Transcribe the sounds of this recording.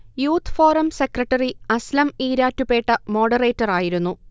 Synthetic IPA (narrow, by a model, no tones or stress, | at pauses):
juːt̪ʰːfoːrɐmsekrɐʈːɐriɐslɐmiːɾaːtːupe̞ːʈːɐmo̞ːɖɐre̞ːtːɐraːjiɾunːu